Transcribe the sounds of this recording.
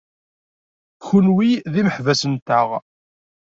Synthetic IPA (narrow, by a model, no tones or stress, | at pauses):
çunwiðiməħvæsənt̪əʁ